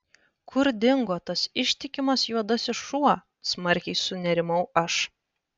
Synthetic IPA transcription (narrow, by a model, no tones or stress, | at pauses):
kʰʊɾd̪ʲɪŋɡoːt̪ɐsɪʃʲt̪ʲɪkʲɪmɐsjuɔd̪ɐsɪʃuɔ | smɐɾʲkʲɛɪsʊnʲɛɾʲɪmɐʊɐʃ